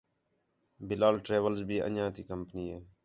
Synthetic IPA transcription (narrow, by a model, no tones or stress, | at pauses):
bɪlaːlʈɾeːʋəlzbʱiːə̰ɲãːt̪iːkəmpəniːɦeː